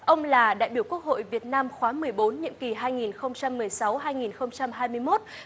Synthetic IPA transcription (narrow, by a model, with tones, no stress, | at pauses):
ʔə˧wŋ͡mlaː˨˩ɗa̰ː˧˨jɓi˧˩wku˦˥ək̚ho̰˧˨jvi˨˩ət̚naː˧mxwaː˨˦mɨ˨˩əjɓo˨˦nɲḭ˧əki˨˩ɦaː˧jŋi˨˩nxə˧wŋ͡mt͡ɕa˧mːɨ˨˩əjsa˨˦wɦaː˧jŋi˨˩nxə˧wŋ͡mt͡ɕa˧mɦaː˧jmɨ˧əjmo˦˥t̚